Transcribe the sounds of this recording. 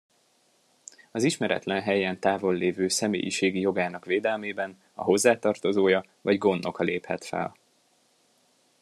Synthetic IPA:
ɒziʃmɛɾɛ̰t̪lɛnɦɛjɛnt̪aːvo̞lːeːvøːsɛmḛːjḭʃeːɡijo̞ɡaːnɒkʋeːd̪ɛlmeːbɛn | ɒ̰ɦo̞zːaːt̪ɒrt̪o̞zoːjɒ | vɒɟɡo̞nːo̞kɒleːphɛt̪fɛ̰l

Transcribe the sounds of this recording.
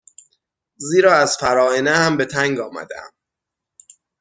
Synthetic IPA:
ziːɾɒːæzfæɾɒːenehæmbe̞t̪ʰæŋɡɒːmæ̰d̪ḛæ̰m

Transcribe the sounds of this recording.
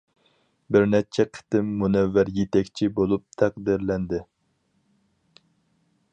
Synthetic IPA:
bɪɾnɛt͡ʃʰɛqʰə̥t̪ɪmːunɛvːæɾjet̪ɛkʲt͡ʃʰibolˠup̚t̪ʰæqd̪ɪɾlɛnd̪ɪ

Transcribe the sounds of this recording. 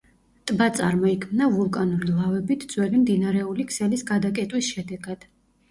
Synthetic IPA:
t̪ʼbat̪sʼa̰ɾmɔikʰmnavulˠkʼanuɾilˠavɛbit̪ʰd̪z̥wɛlimd̪inaɾɛulikʰsɛlisɡad̪akʼɛt̪ʼwisʃɛd̪ɛɡad̪̥

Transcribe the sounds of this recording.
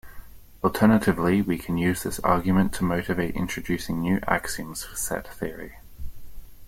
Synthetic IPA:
ɔlˠtʰɜːnətʰɪvliwikʰə̃njʉːzðɪsɑ̰ːɡjəmə̃ntʰəməʊtɪveɪtɪ̰̃nt͡ʃɹ̥əd͡ʒʉˑsɪ̃ŋnjʉːʔa̰ksiə̃mz̥fəsɛ̰t̪θɪəɹḭ

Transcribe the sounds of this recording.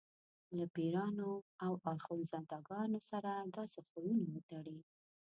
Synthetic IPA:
labiɾɑnoawɑxunzɑd̪ɑɡɑnosaɾad̪ɑsaxojunawət̪aɽi

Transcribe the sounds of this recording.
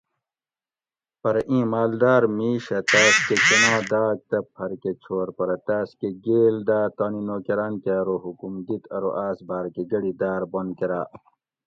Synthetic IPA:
pɐɾɐʔĩːmaːld̪aːɾmiːɕɐt̪aːskekɐnãːd̪aːk̚t̪ɐpʰɐɾket͡ɕʰoːɾpɐɾɐt̪aːskeɡeːld̪aːt̪ɐːninoːkeɾaːnkeɾoɦukumd̪it̪ʰɐɾoʔaːsbaːɾkeɡɐɽid̪aːɾbonkeɾaː

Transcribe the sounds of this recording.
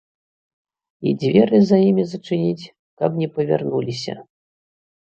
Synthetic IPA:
id͡zʲvʲɛɾɨzajimʲizɐt͡ʂɨnʲit͡sʲ | kɐbnʲɛpɐvʲa̰rnulʲisʲɐ̰

